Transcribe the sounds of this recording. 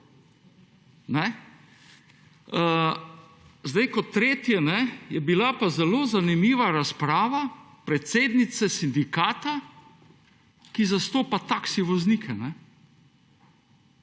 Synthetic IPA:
nɛ | zd̪ajkɔt̪ːɾeːt̪jɛnɛjɛbilapazɛloːzanimiːʋaɾaspɾaːʋa | pɾɛt̪seːd̪nit̪sɛsind̪ikaːt̪a | kizast̪oːpat̪aksiʋɔznikʰɛnɛ

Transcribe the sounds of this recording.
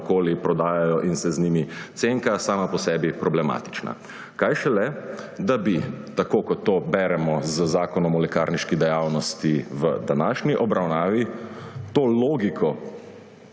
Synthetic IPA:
koːlipɾɔd̪aːjajɔʔinsɛznimit̪seŋkasaːmapɔsɛːbipɾɔblɛma̰ːt̪i̥t͡ʃna̰ | kajʃɛlɛd̪abit̪akoːkɔt̪ːoːbɛɾɛmɔzəzaːkɔnɔmɔlɛkaːɾniʃkid̪ɛjaːwnɔst̪iʋə̰d̪anaːʃniʔɔbɾawnaːʋit̪oːloːɡikʰɔ

